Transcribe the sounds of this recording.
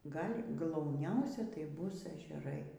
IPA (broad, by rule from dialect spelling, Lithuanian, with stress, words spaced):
ˈɡɐlʲ ɡlˠɐʊˈnʲɛʊsʲɛ tɐɪ ˈbʊs ɛʒʲɛˈrɐɪ